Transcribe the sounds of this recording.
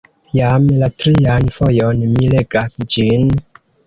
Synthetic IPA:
jamlatɾianfo̞jo̞nmileɡasd͡ʒin

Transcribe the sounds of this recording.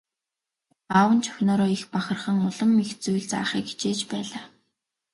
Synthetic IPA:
awə̆nt͡ɕʰœ̥xʲnɔːɾɔːixpaχə̆rχə̆ŋʊɮə̆mːixt͡sujɮt͡sa̰ːχiːki̥t͡ɕeːt͡ɕpæːɮaː

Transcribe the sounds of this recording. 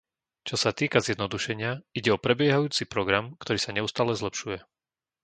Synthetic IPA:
t͡ʃɔsat̪iːkazjɛd̪nɔd̪uʃɛɲɪaiɟɛɔpɾɛbɪjɛɦajuːt͡sipɾɔɡɾamkt̪ɔɾiːsaɲɛust̪aːlɛzlɛpʃujɛ

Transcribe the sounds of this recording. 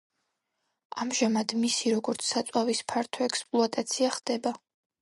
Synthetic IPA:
amʒamad̪misiɾɔɡɔɾt̪sʰsat̪sʼwavispʰaɾt̪ʰɔɛkspʼlˠɔat̪ʼat̪sʰiaχd̪̥ɛba

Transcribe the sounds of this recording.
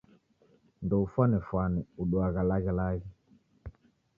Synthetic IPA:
ndɔufwanɛfwanɛuɗuaɣalaɣɛlaɣɛ

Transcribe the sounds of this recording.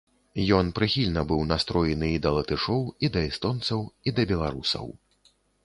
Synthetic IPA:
jɔnpɾɨxʲilʲnɐbɨwnast̪ɾɔjɛnɨid̪ɐlˠɐt̪ɨʂɔwid̪ɐist̪ɔnt̪sɐwid̪ɐbʲɛlˠaɾusɐ̰w

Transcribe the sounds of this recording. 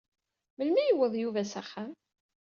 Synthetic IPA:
məlmijəwːəðˤjuvæsæχːæm

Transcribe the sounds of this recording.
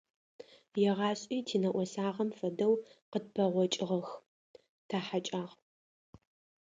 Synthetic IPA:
jɛʁɑːɕʼiːtʰiːnɐʔʷɔsaːʁɐmfɐdɐwqəd̚pʰɐʁʷɔt͡ʃʼɪʁɐx | tʰaːħat͡ʃʼaːʁ

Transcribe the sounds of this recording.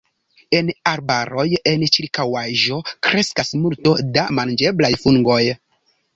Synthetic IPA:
e̞naɾbaɾo̞je̞nt͡ʃiɾkawaʒo̞kɾe̞skasmulto̞damand͡ʒe̞blajfuŋɡo̞j

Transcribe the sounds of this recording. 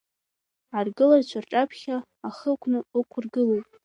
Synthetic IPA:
arɡɨlart͡ʃʷʰarʈ͡ʂʼapʰχʲaː | χəkʷʰnɨəkʷʰʊrɡɨlojtʼ

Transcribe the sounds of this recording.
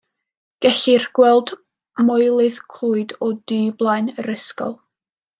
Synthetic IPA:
ɡ̥ɛɬɪrɡ̥wɛlˠd | mɔɨlˠɨðkʰlˠuːɨdɔdɨːblˠajnərɪskɔ̰lˠ

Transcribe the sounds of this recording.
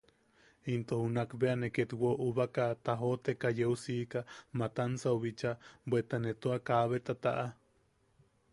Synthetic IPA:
int̪ohunakbeaneket̪woʔuβakat̪aɦot̪ekajeusiːkamat̪ansauβit͡ʃabʷet̪anet̪uakaβet̪at̪a̰ʔa

